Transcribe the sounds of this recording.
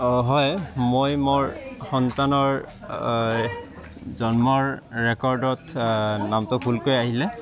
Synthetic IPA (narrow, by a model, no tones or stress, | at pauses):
ɦɔjmojmoɹxɔntanɔɹ | zɔnmɔɹːɛkɔɹdɔtnamtʊbʱulkojaɦilɛ